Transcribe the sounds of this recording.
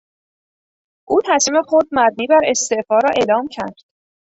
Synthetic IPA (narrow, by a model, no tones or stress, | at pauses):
ʔuːt̪ʰæsiːme̞xod̪̚mæb̪̚niːbæɾe̞st̪e̞ʔfɒːɾɒːʔe̞ːlɒːmcʰæɾd̪̥